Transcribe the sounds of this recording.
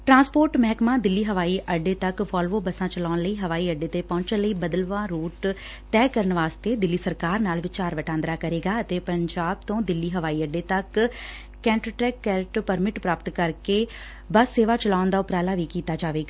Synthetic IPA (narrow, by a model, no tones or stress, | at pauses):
ʈɾãːspoːɾʈmɛːkmãːd̪ɪlːiːɦəʋaːiːʔəɖeːt̪əkʋɔːlʋoːbəsãːt͡ʃəlaːnləiːɦəʋaːiːəɖeːt̪eːpɔ̃ːɲt͡ʃə̃nləiːbəd̪əlʋãːɾoːʈ | t̪ɛːkəɾənʋaːst̪eːd̪ɪlːiːsəɾkaːɾnaːlʋɪt͡ʃaːɾʋəʈãːnd̪ɾaːkəɾeːɡaːət̪eːpəɲd͡ʒaːbt̪õːd̪ɪlːiːɦəʋaːiːəɖeːt̪ək | kɛ̃ːɳʈɾəːʈɾɛːkːɛːɾɪʈpəɾmɪʈpɾaːpət̪kəɾkeː | bəsːeːʋaːt͡ʃəlaːʊnd̪aːʊpɾaːlaːʋiːkiːt̪aːd͡ʒaːʋeːɡaː